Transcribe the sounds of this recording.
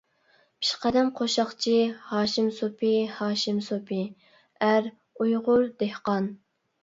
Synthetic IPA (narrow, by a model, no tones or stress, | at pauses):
pʰi̥ʃqæd̪ɛmqʰoʃɑχt͡ʃʰihɑːʃimsopʰihɑːʃimsopʰɪ | æɾ | ujʁʊɾd̪ehqɑn